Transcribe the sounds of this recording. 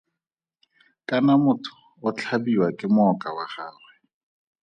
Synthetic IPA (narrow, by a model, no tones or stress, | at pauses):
kʼanamʊtʰʊ̥ | ʊt͡ɬʰabiwakʼɪmʊɔkʼawaχaːrwɛ